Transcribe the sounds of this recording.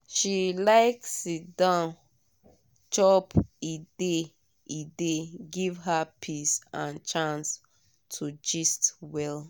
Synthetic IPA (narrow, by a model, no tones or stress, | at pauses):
ʃilaɪksidãn | t͡ʃɔpide | ideɡivɦapʰisãnt͡ʃãns | tʰud͡ʒɛstwɛl